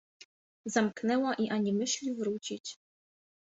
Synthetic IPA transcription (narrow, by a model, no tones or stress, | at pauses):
zamknɛwaʔiʔaɲimɘɕlʲivɾut͡ɕit͡ɕ